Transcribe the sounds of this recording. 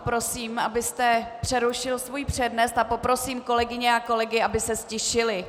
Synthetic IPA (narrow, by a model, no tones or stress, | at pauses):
pɾo̞siːmʔabɪst̪ɛpr̥ɛɾuʃɪlsvujpr̝̥ɛdnɛst̪apo̞pɾo̞siːmko̞lɛɡɪɲɛako̞lɛɡɪabɪsɛscɛʃɪlɪ